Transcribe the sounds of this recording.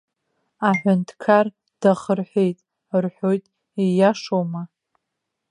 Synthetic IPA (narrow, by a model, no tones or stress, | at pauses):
aħʷᶣʊntʰkʰar | d̥aχərħʷe̞jtʼ | rħʷo̞jtʼ | ijaʂowma